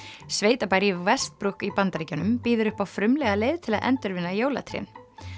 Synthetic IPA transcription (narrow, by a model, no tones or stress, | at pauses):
sveːjt̪apajɾivɛst̪̚pɾuhkipant̪aɾiːcanʏmpiːðʏɾʏhpawfɾʏmlɛɣalejðt̪ʰɪlaðʔɛ̰nt̪ʏɾvɪnːajoːwla̰t̪ʰɾḭɛ̰n